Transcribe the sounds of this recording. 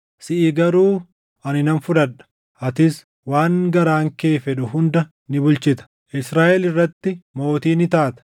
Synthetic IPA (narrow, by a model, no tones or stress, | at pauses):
sɪʔiːɡɐɾuː | ʔɐnɪnɐnfʊᶑɐᶑɐ̥ | ʔɐt̪ɪs | waːŋɡɐɾaːŋke̞ːfɛᶑʊhʊnd̪ɐ | nɪbʊlt͡ʃɪt̪ɐ̥ | ʔɪsɾaːʔɛlɪrːɐt̪ːɪmo̞ːt̪iːnɪt̪aːt̪ɐ̥